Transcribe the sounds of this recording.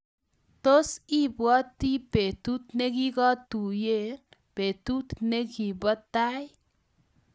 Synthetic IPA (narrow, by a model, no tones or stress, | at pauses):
t̪osibwɔt̪ipet̪ut̪neɡiɡɔt̪ujepet̪ut̪neɡibət̪aj